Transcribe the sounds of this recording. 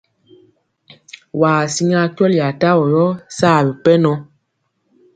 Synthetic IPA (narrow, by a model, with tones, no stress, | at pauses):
waː˨si˦ŋa˦kjɔ˦lja˨ta˦wɔ˨jɔ˦saː˦˨bi˨pɛ˦nɔ˦